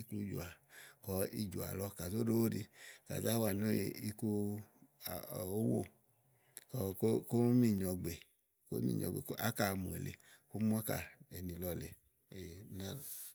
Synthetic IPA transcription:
i˦ku˧˦d͡ʒṵ˨a˨kɔ˨˦i˧d͡ʒu˨a̰˨lɔ˧˦ka˨zo˦do˦o˦˨di˧ka̰˨za˦wa˨no˦˨i˦ku˦˨ | o˦wo̰˦˨ | kɔ˧˦kko˦mi˦˨ɲɔ˨ɡ͡be˨ | ko̰˦mḭ˦˨ɲɔ̰˨ɡ͡bḛ˨ko˦ʔa˦ka˧˨˧mũ˨ḛ˨lḛ˨ku˦mu˦a˦ka̰˨e˨ni˨lɔ˧le˨ | e˨˦na˦lo˨

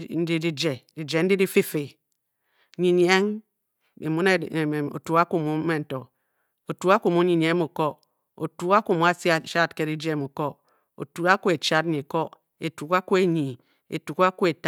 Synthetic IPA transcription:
n̩˦di˦di˦d͡ʒe˨di˨d͡ʒe˨n̩˦di˦di˦fe˦fe˨ | ɲi˨ɲ˦e˦ŋ | ḛ˨mu˦ne˦˨o̰˨tu˨˦ka˦ku˨mu˨˦e˦n̩˨to˨ | o˨tu˦a˦ku˨mu˦ɲi˨ɲ˨e˦mu˨ko˦ | o̰˨tu˨˦ka˦ku˨mu˨˦a˦si˦a˦˨ʃa˦˨tke˦di˦d͡ʒe˦˨mu˨ko˦ | o̰˨tu˨a˦ku˦e˨t͡ʃa˦tɲi˨ko˦ | e˨tu˨ka˦ku˦e˦ɲi˨ | ḛ˨tu˨ka˦ku˦e˨t

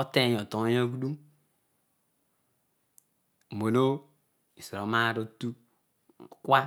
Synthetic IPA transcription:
ɔ˦te˦˨o˨to˨˦ja˦ɡu˦du˦˨ | mo˨no˦ | i˨si˨ɾo˨˦ma˦˨˦ɾo˦tu˦˨ | kwa˦

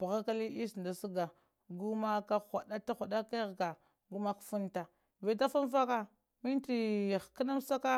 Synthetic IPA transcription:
pa˨ɣa˦ka˦li˦ʔi˦snda˨si˦ɡa˨ | ɡu˦ma˦ka˦xʷa˨ɗa˦ta˦xa˨da˦ka˦ɣɡa˨ | ɡu˦ma˦kfu˦nta˨ | ve˨ta˦fa˦nfa˦ka˦ | mi˦nti˨kə˦na˦m˦sa˦ka˦

